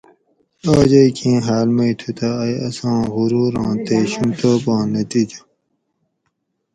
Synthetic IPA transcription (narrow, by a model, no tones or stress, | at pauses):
aːd͡ʑɐikʰĩːɦaːlmɐit̪ʰut̪ʰaːjɐ̰sɑ̃ːɣuɾuːɾɑ̃ːt̪eɕũmt̪oːbɑ̃ːnɐt̪iːd͡ʑa